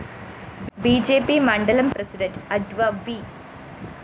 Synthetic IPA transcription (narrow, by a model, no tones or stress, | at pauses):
biːd͡ʒeːpimãːɳɖɐlɐ̃mpɾesɪɖẽɳʈɐɖʋaʋiː